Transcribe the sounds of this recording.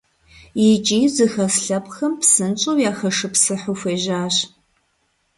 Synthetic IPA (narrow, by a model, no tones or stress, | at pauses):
jɪt͡ʃʼiːzɨxɐsɬɐpʼxɐmpsɨnt͡ʃʼowjaːxɐʂɨpsɨħʊfʷeːʒaːɕ